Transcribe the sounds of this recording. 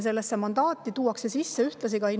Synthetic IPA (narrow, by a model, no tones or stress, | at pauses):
s̬e̞lːesːe̞mɑnd̪̥ɑːt̪ːˑit̪uːɑkse̞sisːe̞yht̪lɑsiɡ̥ɑi